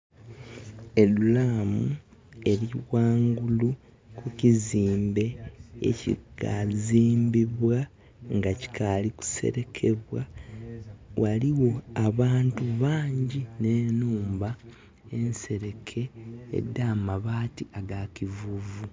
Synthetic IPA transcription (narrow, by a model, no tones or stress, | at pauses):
e̞lulaːmue̞ɾiwaːŋɡulu | kuciziːmbe̞ḛcḭkaziːmbiβwa | ŋɡaci̥kʰaliku̥se̞̰ɾe̞kʰe̞βwa | wʔaliwo̞aβaːntuβaːɲɟine̞ːnuːmba | e̞nse̞ɾe̞kʰe̞̰ːdːaːmaβaːtiaɡacivuvu